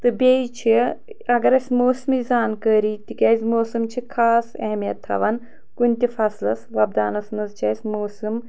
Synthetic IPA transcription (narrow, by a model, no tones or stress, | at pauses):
t̪ɨbʲet͡ʃʰi | ɐɡɐɾɐsʲmoːsɨmizaːnkəːɾit̪ikʲɐzʲmoːsɨmt͡ʃʰikʰaːsɐɦmijɐt̪ʰːɐ̰ʋɐn | kunʲt̪ʲifɐslɐsʋɐb̚d̪aːnɐsnɐzt͡ʃʰɐsʲmoːsɨm